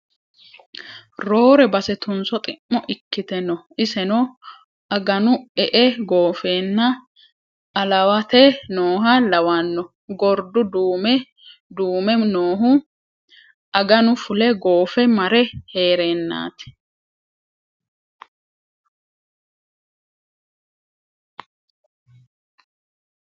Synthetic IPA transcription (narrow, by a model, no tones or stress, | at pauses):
ɾo̞ːɾɛbɐsɛt̪ʊnsɔt̪ʼɪmːɔʔɪkːɪt̪ɛnːɔʔɪsɛnɔ | ʔɐɡɐnʊɛʔɛɡo̞ːfeːnːɐ | ɐlɐwɐt̪ɛnoːɦɐlɐwɐnːɔ | ɡɔɾd̪ʊd̪uːmɛ | d̪uːmɛnoːɦʊ | ʔɐɡɐnʊfʊlɛɡo̞ːfɛmɐɾɛheːɾeːnːa̰ːt̪ɛ̥